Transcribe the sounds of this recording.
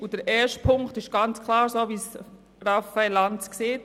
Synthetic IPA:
ud̥əɾʔɛːʃtpʰʊŋktɪʃɡ̥ɑnt͡skʰlɑːɾsoːʋis | rafaɪlanskseːt

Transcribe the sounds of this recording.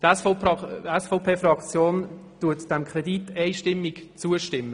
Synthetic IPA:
tɛsfpɑɛsfoʊpʰeːfrɑkt͡sjoːntuətd̥ɛmkʰrɛditɛɪʃtɪmːɪɡt͡suəʃtɪmːə

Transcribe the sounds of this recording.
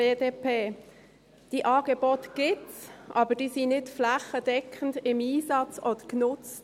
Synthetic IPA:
eːdeːpeː | d̥iːʔɑːɡ̥əbɔtɡ̥ɪtsʔɑːbəd̥iːsiːnɪtflaχəd̥ɛkʰəndɪmiːzɑt͡sɔdəknʊt͡st

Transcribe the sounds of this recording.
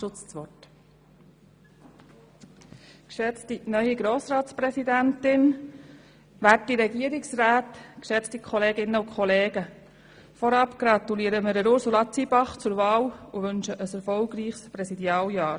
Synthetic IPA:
ʃʊt͡st͡sʋɔt | kʃɛt͡stinœʏiɡɾoːsɾɑːtspɾɛsidæntɪn | ʋætiɾɛɡiəɾɪksræːt̪kʃɛt͡stikʰɔleːɡɪnːəukʰɔleːɡə | fɔɾɑpɡ̥ɾɑt̪uliːəɾəmɪɾɛɾʊɾsulɑt͡sibɑχt͡sʊɾʋɑːluʋɵnʃəʔəsɛɾfɔlɡɾiːχspɾɛsidjɑːljɑːɾ

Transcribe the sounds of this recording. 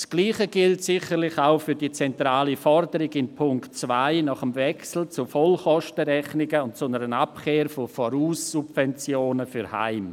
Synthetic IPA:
sɡ̥liːχəɡ̥ɪltsɪχəɾlɪçaʊfyɾdiːt͡sɛntɾaːlifɔɾdəɾɪɡɪnpʰʊŋktt͡svaɪnɑχəmvɛksl̩t͡sufɔlχɔʃtəɾɛχnɪɡəʊntt͡sʊnəɾənapkʰeːɾfofɔɾuːsːub̥vɛnt͡sjoːnəfyɾha̰ɪm

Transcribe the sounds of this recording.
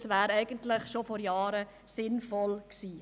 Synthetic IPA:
svʋæːɾɛɪɡ̥əntlɪχʃofɔɾjɑːɾə | sɪnfɔlksiː

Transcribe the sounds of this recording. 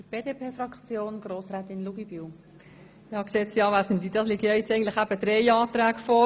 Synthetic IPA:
əb̥eːdepʰeːfɾɑkt͡sjoːnɡ̥ɾoːsraːt̪ɪnluɡ̥ib̥yw | jɑːkseːtsjɑːʋæsən̩diːdɑsliɡəjɑɛtt͡sɛɪɡn̩tlɪχæb̥əd̥ɾɛjɑːt̪ɾæːɡfɔ

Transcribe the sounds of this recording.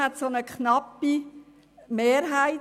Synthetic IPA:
ɛt̪sonəkʰχnɑpːi | meːɾɦæɪ

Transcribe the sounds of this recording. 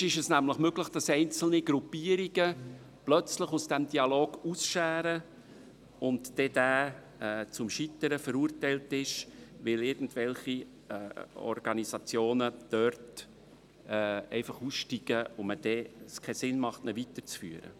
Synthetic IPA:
ɪʃɛsnæmləχmøɡləχd̥ɑsɛɪnt͡sl̩niɡɾupːiːəɾiɡə | plœt͡sləχusd̥ɛmd̥iɑloːɡ̥usʃæːɾə | ʊntd̥ɛd̥æː | ɛːt͡sʊmʃitəɾəfəɾuːɾtɛɪltɪʃʋɪlɪɾɡ̥n̩tvɛlχiː | ɔ̰rɡ̥ɑnisɑt͡sjoːnəd̪̥œrt | ɛːɛ̰ɪfɑχuːsʃtiɡ̥əoməd̥ɛskʰɛsɪnmɑχtnɛvitət͡sfy̰ːəɾə̰

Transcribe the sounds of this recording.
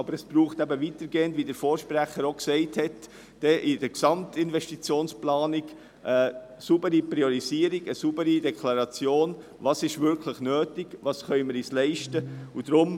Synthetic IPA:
ɑbəɾɛsb̥ɾuːχtæbəvitəɾɡeːəndʋidəɾfoːɾʃpɾæχəɾoksɛɪthɛt | d̥ɛʔɪdəɾksɑmtɪnvʋɛʃtit͡sjoːnsplɑːnɪɡ | ʔə | subəɾiprioɾiziːəɾiɡəsubəɾidɛkʰlɑɾɑt͡sjoːn | vɑːsɪʃvʏɾkʰləχnøːtɪɡ̥vɑːsχœʏməɾiːslɛɪʃtəud̥ɾʊm

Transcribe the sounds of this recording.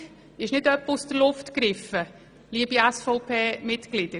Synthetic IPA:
ɪʃnɪdœpːəusd̥əɾlʊftkɾɪfə | liəbiæsfɔʊpʰeːmɪtklɪd̥ə

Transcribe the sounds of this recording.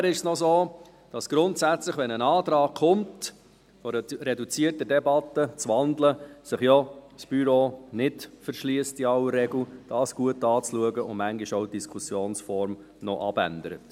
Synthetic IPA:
ɾɪʃsnɔzoː | d̥ɑsɡ̥ɾʊntsæt͡slɪχʋɛnənɑːt̪ɾɑːkχʊmt | fɔɾɾɛdut͡siərtədɛbɑtːət͡sʋɑndləsɪχjɔsb̥yɾoːnɪtfəɾʃliəstiɑwərːɛɡl̩d̥ɑːsɡ̥uətːɑːt͡sluəɡəʊ̰nmæŋɡiʃoʊd̥iskʰusjoːnsfɔɾm | nɔʔɑ̰b̥æ̰ndəɾə̰t

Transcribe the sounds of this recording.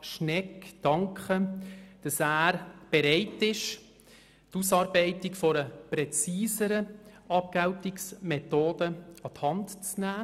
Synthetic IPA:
ʃnɛkd̥ɑŋkχəd̥ɑsæːɾb̥ɛɾɛɪtɪʃ | tusɑːɾbɛɪtɪkfɔɾəpɾɛt͡siːsəɾə | ɑp̚ɡ̥awtɪksmɛtoːdəɑthɑntt͡snæː

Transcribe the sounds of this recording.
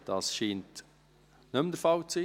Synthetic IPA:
d̥ɑsʃiːnt | nɵmdəɾfɑlt͡siː

